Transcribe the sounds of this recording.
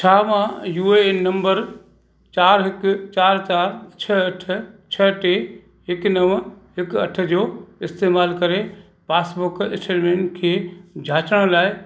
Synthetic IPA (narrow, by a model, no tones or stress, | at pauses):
t͡ɕʰaːʋãjuːenɐ̃mbəɾ | t͡ɕaːɾɦɪkt͡ɕaːɾt͡ɕaːɾt͡ɕʰɐɐʈʰət͡ɕʰɐʈe | ɦɪknɐʋɦɪkɐʈʰə̆d͡ʑoːɪst̪eːmaːlkɐɾe | paːsbʊɾkɪsʈeːɾmẽːɳʈkʰeːd͡ʑʱaːt͡ɕəɽ̃laːɪ